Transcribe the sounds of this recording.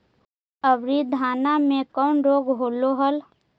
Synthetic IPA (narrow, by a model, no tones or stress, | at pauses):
əbɾid̪ʱaːnamẽkɔːnɾoːɡɦoːloɦəl